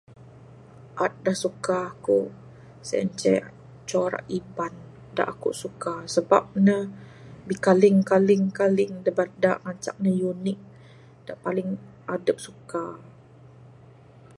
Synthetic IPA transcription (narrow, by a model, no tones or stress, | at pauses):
ʔat̪̚dahsukaːkuʔ | sɛ̰əɲt͡ʃɛ | t͡ʃɔɾa̰ʔiban | da̰ʔakṵʔsukasəbap̚nə | bikalɪŋkalɪŋkalɪŋdəbat̪̚daʔŋat͡ʃa̰k̚nəjunɪk̚ | d̥aʔpalɪŋ | ʔadəp̚suka